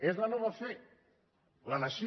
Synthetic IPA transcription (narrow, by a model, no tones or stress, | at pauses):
ezlanɔβafe | lanaʃi